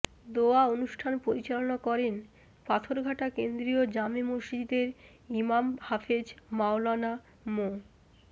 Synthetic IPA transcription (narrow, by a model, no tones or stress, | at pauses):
d̪oaonuʃʈʰanpoɾit͡ɕalonakɔɾen | pat̪ʰoɾɡʱaʈakend̪ɾiod͡ʑamemoʃid͡ʑd̪eɾ | imamhafed͡ʑmawlana | mo